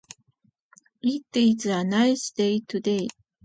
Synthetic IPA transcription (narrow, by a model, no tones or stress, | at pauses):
it̪ːeit͡sɨanaisɨ̥d̪eit̪ud̪ei